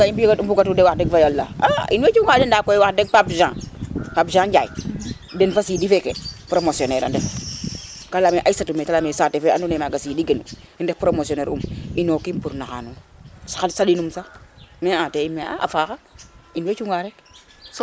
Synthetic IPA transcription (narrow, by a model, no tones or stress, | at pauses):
kaimbikadumpuɡatudewaxdeɡfajalːa̰aʔinwet͡ʃuŋadendakojwakdeɡ̚papʒãːpapʒãːd͡ʒaḭ | denfasidifekepɾomosioneɾa̰ndef | kalameʔasatumekalamesatefeʔa̰nunemaɡasidiɡenṵ | indepɾomosioneːɾṵminokimpuɾnaxa̰nunsḁxalsadinumsameateimea̰a̰fakainwet͡ʃuŋaɾek